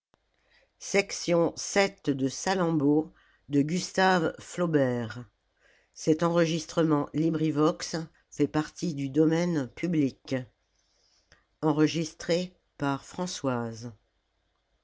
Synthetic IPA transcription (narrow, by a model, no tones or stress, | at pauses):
sɛksjɔ̃sɛt̪d̪əsalɑ̃bo | d̪əɡʲyst̪avflɔbɛʁ | sɛt̪ɑ̃ʁəʒist̪χəmɑ̃libʁivɔks | fɛpaʁt̪id̪yd̪ɔmɛnpʰyblik | ɑ̃ʁəʒist̪χe | paʁfχɑ̃swaz